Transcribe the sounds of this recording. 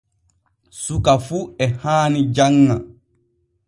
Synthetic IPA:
sukafuɛhaːnid͡ʒaŋːa

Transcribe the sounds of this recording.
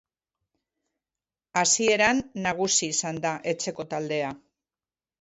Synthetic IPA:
asie̞ɾanːaɣ̞usiːsand̪aʔe̞t͡se̞ko̞t̪ald̪e̞a

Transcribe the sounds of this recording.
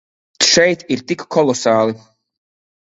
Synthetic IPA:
ʃɛjt̪iɾt̪ikkɔlˠɔsaːlˠi

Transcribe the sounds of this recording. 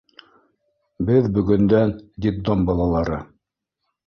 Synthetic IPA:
bɘðbɵ̆ɡɵ̆nd̪ænd̪ʲit̪ːombɑlˠɑlˠɑɾɤ

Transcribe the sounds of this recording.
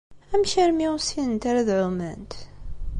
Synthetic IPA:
æmʃæɾmisiənt̪aɾaðʕʊmænt̪

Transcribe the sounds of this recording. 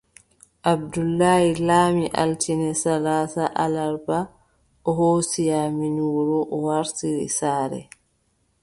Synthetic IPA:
ʔab̚dulːaːhilaːmiʔa̰ltinɛsalaːsaʔalaɾba | ʔɔɦosijaminuːɾɔʔɔwaɾtiɾḭsaːɾɛ̰

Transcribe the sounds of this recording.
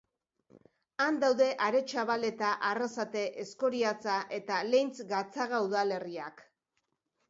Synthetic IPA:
and̪awðe̞ʔaɾe̞t͡ʃaβale̞t̪aʔarasat̪e̞ʔesko̞ɾiat͡saʔe̞t̪ale̞jnt͡sɡat͡saɣauðale̞riak

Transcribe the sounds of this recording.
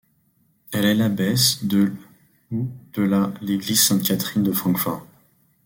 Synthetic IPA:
ɛlɛlabɛsd̪ə | ud̪̥əlaleɡliz̥sɛ̃t̪̚kʲat̪χind̪əfχɑ̃kfɔʁ

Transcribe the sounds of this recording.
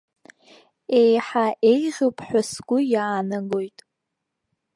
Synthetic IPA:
e̞jħaʔe̞jʁʲɨpʰʼħʷᶣasɡʷʊjaːnaɡo̞jtʼ

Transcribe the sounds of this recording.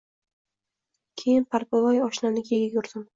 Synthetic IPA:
kʲʰejɪnpʰaɾpʊlˠɒjɒʃnanɪkʲeɡʲajʊɾd̪ɪm

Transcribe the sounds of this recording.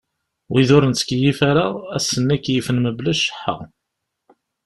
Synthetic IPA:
wiðʊɾənt͡skjifaɾaæsːənːækːjifənməblæʃə̥ħːa̰

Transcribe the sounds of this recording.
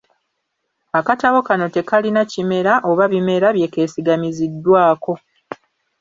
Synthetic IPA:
akataβo̞kano̞te̞kalinacime̞ɾaʔo̞βaβime̞ɾaβje̞ke̞ːsiɡamizidːwaːko̞

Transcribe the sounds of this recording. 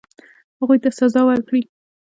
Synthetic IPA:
haɣujt̪asazɑwaɾkɽi

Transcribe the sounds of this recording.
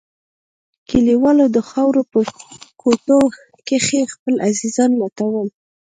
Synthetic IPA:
kiliwɑlod̪əxɑwɾopəkʰoʈo | kexexpəlazizɑnlat̪awəl

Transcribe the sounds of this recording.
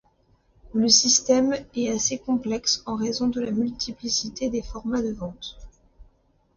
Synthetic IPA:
ləsist̪ɛmɛasekɔ̃plɛksɑ̃ʁezɔ̃d̪əlamylt̪ʰiplisit̪ed̪efɔʁmad̪əvɑ̃t̪

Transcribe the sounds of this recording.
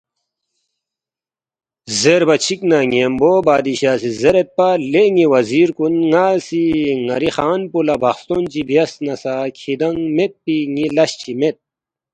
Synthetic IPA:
zeɾbɐt͡ɕʰiknaŋeːmboːbaːd̪iɕaːsizeɾet̪̚paleŋiwɐziːɾkunŋaːsiŋɐɾixaːnpulɐbɐxst̪ont͡ɕibjɐsnɐsakʰid̪ɐŋmet̪̚piŋilɐɕt͡ɕʰimet̪̚

